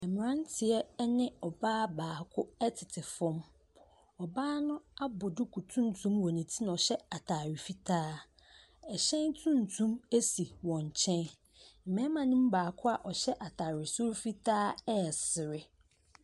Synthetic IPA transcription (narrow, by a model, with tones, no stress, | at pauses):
ɛ˨mɪ̃˨ɾã˦n˦tʰɪ˨ɛ˦nɪ̃˦ɔ˨baː˦baː˨kʰʊ˦ɛ˦tʰɪ˨tʰɪ˨fɔ̃˦m | ɔ˨baː˦nʊ̃˦a˦bʊ˨dʊ˦kʰu˨tʰũ˦n˦tʰũ˦mwɔ̃˨nĩ˨tʰi˦nã˨ɔ˨ɕɛ˦a˨tʰa˨ɾɪ˨fi˦tʰaː˦ | ɛ˨ɕɛ̃˦ntʰũ˦n˨tʰũ˦me˦si˨wɔ̃˨ɲ˨t͡ɕʰɛ̃˦n̩˨ | mɛ̃˦mã˨nĩ˦m˦baː˨kʰʊ˦a˨ʔɔ˨ɕɛ˦ʔa˨tʰaː˨ɾɪ˨sʊ˦ɾfi˦tʰaː˦ɛ˦˨sɪ˨ɾɪ˦